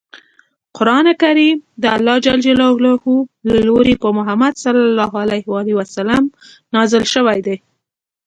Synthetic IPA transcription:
qʊɾɑnekaɾimd̪əalːɑd͡ʒald͡ʒalɑhlɑhulaloɾekomʊɦamad̪salɑlːɑɦalajhɑliwasalam | nɑzəlʃəwajd̪e

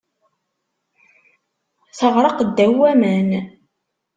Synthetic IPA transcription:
θəʁɾˤɑqd̪ːæwːæmən

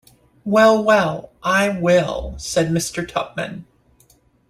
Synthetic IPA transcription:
wɛlˠwɛlˠʔaɪwɪlˠsɛd̚mɪstə˞tʰʌp̚mɨ̰̃n

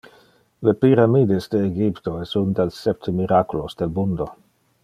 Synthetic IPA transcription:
lepiɾamid̪esd̪eːɡipt̪oɛsund̪elsɛp̚t̪ʰemiɾakulosd̥̪elmund̪o

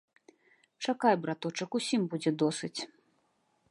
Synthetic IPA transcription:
t͡ʂakajbɾat̪ɔt͡ʂɐkusʲimbud͡zʲɛd̪ɔsɨt͡sʲ

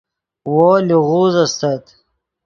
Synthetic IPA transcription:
woːliʁuːzɐst̪at̪

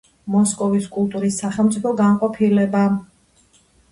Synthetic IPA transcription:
mɔskʼɔviskʼulˠt̪ʼuɾisːaχɛlˠmt̪sʼipʰɔɡanqʼɔpʰilɛba

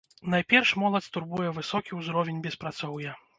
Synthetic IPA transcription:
najpʲɛrʂmɔlˠɐt͡sʲst̪urbujɛvɨsɔkʲiwzɾɔvʲɛnʲbʲɛspɾat̪sɔwjɐ

